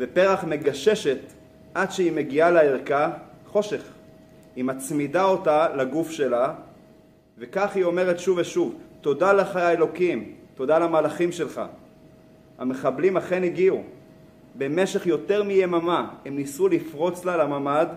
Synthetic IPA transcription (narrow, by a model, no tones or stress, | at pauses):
vepe̞ʁaχme̞ɡaʃe̞ʃe̞t | ʔadʃeime̞ɡialaeʁkaχo̞ʃe̞χ | himat͡smidao̞talaɡufʃe̞la | vekaχhio̞me̞ʁe̞tʃuveʃuvto̞daleχaaelo̞kimto̞dalamalaχimʃe̞lχa̰ | a̰me̞χablimaχe̞niɡiu | be̞meʃe̞χjo̞te̞ʁmijemamahemnisulifʁo̞t͡slalamamad